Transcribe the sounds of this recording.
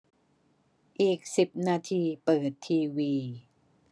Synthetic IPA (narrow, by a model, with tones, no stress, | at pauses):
ʔiː˨˩k̚si˨˩p̚naː˧t̪ʰiː˧pɤː˨˩t̪ʰːiː˧wiː˧